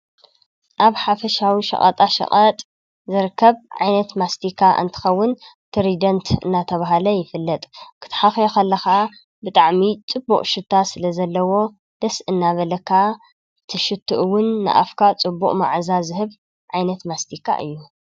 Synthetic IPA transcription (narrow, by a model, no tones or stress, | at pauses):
ʔaβħafɐʃawiʃɐ̰χʼɐ̰t̪ʼaʃɐ̰qʼɐt̪ʼ | zɨɾkʰːɐβʕajnɐt̪mast̪ʰikʰːaʔɨ̰nt̪ʰɨ̥xɐwːʊn | t̪ʰɨɾid̪ɐnt̪ʰɨnːat̪ʰɐβaɦalɐjɪfɨlːɐt̪ʼkʰɨ̥t̪ʰħaxjoxɐlːɐxɐʔa | bɨt̪ʼaʕmit͡sʼɨbːuqʼʃɨt̪ʰːasɨlɐzɐlːɐwo̞ | d̪̥ɐsʔɨnːaβɐlɐkʰːa | t̪ʰɨʃɨt̪ʰːuʔɨwːʊnːɨ̰ʔa̰fkʰat͡sʼɨbːuqʼma̰ʕzazɨɦɨβ | ʕajnɐt̪mast̪ʰikʰːa̰ʔɨ̰jːu